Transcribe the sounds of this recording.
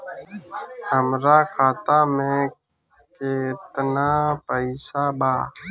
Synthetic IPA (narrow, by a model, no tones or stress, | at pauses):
həmɾaːkʰaːt̪amẽ | ket̪naːpəɪsaːbaː